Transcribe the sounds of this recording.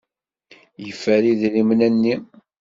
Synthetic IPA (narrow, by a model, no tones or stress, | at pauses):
jəfːæɾiðlimnænːi